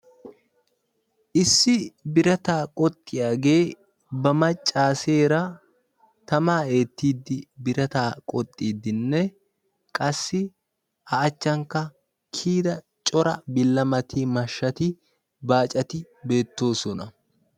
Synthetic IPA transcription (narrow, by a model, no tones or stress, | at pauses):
ʔɪsːɪbɪɾɐt̪aːkʼɔt̪ʼːɪjaːɡe̞ː | bɐmɐt͡ʃʼːaːse̞ːɾɐ | t̪ɐmaːe̞ːt̪ːiːd̪ːɪbɪɾɐt̪aːkʼɔt̪ʼːiːd̪ːɪnːɛ | kʼɐsːɪ | hɐːt͡ʃːɐŋkːɐ | kʰiːd̪ɐ | t͡ʃʼɔɾɐbɪlːɐmɐt̪ɪmɐʃːɐt̪ɪ | baːt͡ʃʼɐt̪ɪ | be̞ːt̪ːo̞ːsɔnɐ